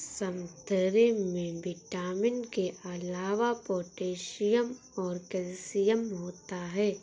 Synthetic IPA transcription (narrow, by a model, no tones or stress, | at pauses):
sɐmd̪ʱəɾemẽbɪʈaːmɪnkeʔɐlaːʋapoːʈeːʃijəm | ɔːɾkɛlsijəmɦoːt̪aɦɛː